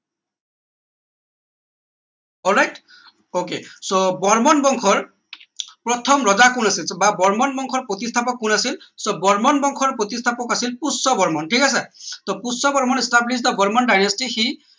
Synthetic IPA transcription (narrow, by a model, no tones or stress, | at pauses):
ɔlɹajt | okesobɔɹmɔnbɔŋkʰɔɹ | pɹɔt̪ʰɔmɹɔzakunasilbabɔɹmɔnbɔŋkʰɔɹpɹot̪istʰapɔkːunasilsobɔɹmɔnbɔŋkʰɔɹpɹot̪istʰapɔkasilpusɔbɔɹmɔnʈʰikasɛt̪ɔpusɔbɔɹmɔnɛstablis̬dabɔɹmɔndajnastixi